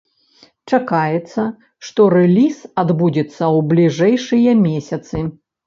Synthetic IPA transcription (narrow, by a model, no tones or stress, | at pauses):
t͡ʂakajɛt̪sːɐ | ʂt̪ɔɾɛlʲisad̪bud͡zʲɛt̪sːɐwblʲiʐɛjʂɨjɐmʲesʲɐt̪sɨ